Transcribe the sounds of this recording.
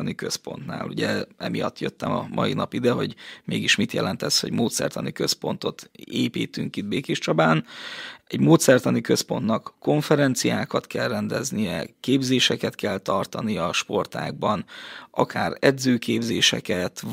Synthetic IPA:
nikøspo̞̰nt̪na̰ːluɟɛɛmijɒt̪ːjøt̪ːɛmɒmʔɒ̰jinɒpid̪ɛɦo̞ɟmeːɡiʃmit̪jɛlɛnt̪ɛsho̞̰ɟmoːt̪sɛ̰rt̪ɒnikøspo̞nt̪o̞t̪eːpiːt̪yŋkid̪̚beːkeʃt͡ʃɒbaːnɛɟmoːt̪sɛrt̪ɒnikø̞spo̞nt̪nɒkːo̞ɱfɛɾɛnt̪sijaːkɒt̪kɛlrɛnd̪ɛznijɛ̰keːbzeːʃɛkɛt̪kɛlt̪ɒrt̪ɒnijɒʃpo̞rt̪a̰ːɡ̚bɒnʔɒkʰaːrɛd̪zøːkeːbzeːʃɛkɛt̪

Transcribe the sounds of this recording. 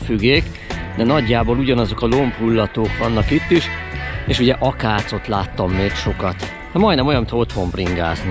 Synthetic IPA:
fyɡːeːk | d̪ɛnɒɟːaːboːluɟɒnɒzo̞kɒlo̞mpulːɒt̪oːkʋɒnːɒkit̪ːiʃeːʃuɟɛʔɒkaːt̪so̞t̪laːt̪ːɒmːeːkʃo̞kɒt̪ | hɛmɒjd̪nɛmojɒnmit̪ʰɒot̪ho̞mbriŋɡa̰ːzni

